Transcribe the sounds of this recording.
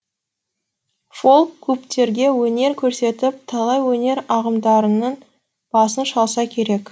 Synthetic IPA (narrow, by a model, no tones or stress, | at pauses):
fo̞lˠkʲʰːɵpt̪e̞ɾɡʲe̞wɵne̞ɾkʲʰɵɾse̞t̪ɪp̚t̪ʰɑlˠɑjwɵne̞ɾɑʁəmd̪ɑɾənən | b̥ɑsənʃɑlˠsɑkʲʰe̞ɾe̞k